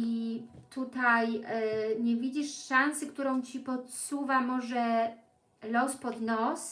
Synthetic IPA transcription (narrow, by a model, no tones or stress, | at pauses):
i | t̪ut̪aj | ɲɛvʲid͡ʑiʂʂansɘkt̪uɾɔ̃w̃t͡ɕipɔt̪suvamɔʐɛ | lɔspɔd̪nɔs